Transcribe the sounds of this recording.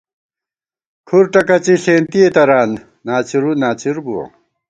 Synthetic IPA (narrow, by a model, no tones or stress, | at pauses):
kʰuɾʈɐkɐt͡ɕiɬeːnt̪iet̪ɐɾaːn | naːt͡ɕiɾunaːt͡ɕiɾbuwɐ̰